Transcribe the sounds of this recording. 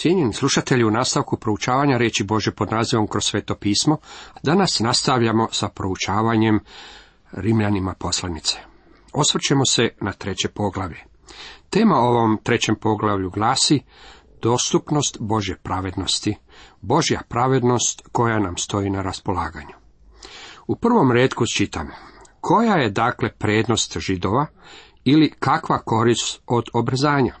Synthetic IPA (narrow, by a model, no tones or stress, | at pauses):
sjeɲenislˠuʃat̪eʎiunaːst̪aʋkupɾo̞ut͡ʃaːʋaɲaɾeːt͡ɕibo̞ʒjepo̞d̪naːziʋo̞mkɾosːʋe̞ːt̪o̞piːsmo̞d̪anasnast̪aʋʎamo̞sapɾo̞ut͡ʃaːʋaɲe̞m | ɾimʎanimapo̞slˠanit̪se̥ | o̞sʋr̩t͡ɕemosenat̪ɾe̞t͡ɕe̞po̞ɡlˠaʋʎe̞ | t̪e̞ːmao̞ʋo̞mt̪ɾe̞t͡ɕe̞mpo̞ɡlaʋʎuɡlˠaːsi | d̪̥o̞ːst̪upno̞st̪bo̞ʒje̞pɾaʋe̞d̪no̞st̪i | bo̞ʒja̰pɾaʋe̞d̪no̞st̪ko̞janamst̪o̞inaɾaspo̞laːɡaɲu | upr̩ʋo̞mɾeːt̪kut͡ʃit̪amkʰo̞jajed̪aːkle̞pɾeːd̪no̞st̪ʒid̪o̞ʋa | ilikakʋako̞ɾist̪o̞d̪o̞bɾzaːɲa